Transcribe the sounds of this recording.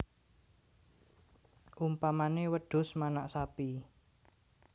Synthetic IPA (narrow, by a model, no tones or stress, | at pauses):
ʔumpamanewəɖ̥ʊ̤smanaʔsapi